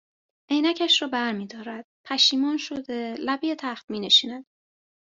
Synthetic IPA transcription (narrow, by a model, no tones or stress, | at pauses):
ʔejnæcʰæʃrɒːbæɾmiːd̪ɒːɾæd̪̥pʰæʃiːmɒːnʃod̪e̞læbejet̪ʰæxt̪miːneʃiːnæd̪̥